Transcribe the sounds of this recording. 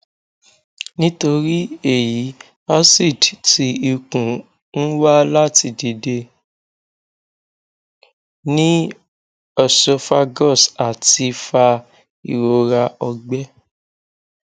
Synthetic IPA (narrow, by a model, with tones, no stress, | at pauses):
nĩ˦to˧ɾi˦e˦˨ji˨˦ | a˦si˦˨dti˨˧˦i˧kũ˨ | n̩˦wa˦la˦ti˧di˧de˧ | nĩ˦ | ɔ˦˨sɔ˧fa˧ɡɔ˦˨sa˨ti˧fa˧ | ḭ˨ɾo˨˧ɾa˧ɔ˧ɡ͡bɛ˦